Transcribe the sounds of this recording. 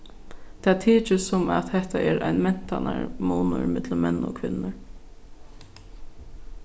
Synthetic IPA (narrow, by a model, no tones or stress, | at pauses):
t̪ʰaːt̪ʰiːt͡ʃɪsʊma̰t̪hɛht̪aʔɛɾajnmɛn̥t̪anaɹmuːnə̰ɹmɪt̪ləmɛnːʊ̰kʰʋɪnːəɹ